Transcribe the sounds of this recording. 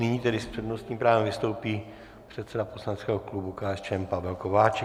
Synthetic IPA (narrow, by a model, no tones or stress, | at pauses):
nɪɲiːt̪ɛdɪspr̥ɛdno̞st̪ɲiːmpɾaːvɛmvɪst̪owpiː | pr̝̥ɛt̪sɛdaposlanɛt͡skɛːɦoklubukaːɛst͡ʃɛmpavɛlkovaːt͡ʃɛ